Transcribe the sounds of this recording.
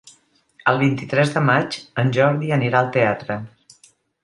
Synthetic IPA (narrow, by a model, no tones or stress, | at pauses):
əlˠβ̞int̪it̪ɾɛzðəmad͡ʒənʲʒɔɾðiəniɾaəlˠt̪eat̪ɾə